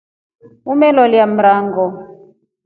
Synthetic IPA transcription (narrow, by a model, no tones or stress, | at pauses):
mumɛlɔljam̩ɾaːŋɡɔ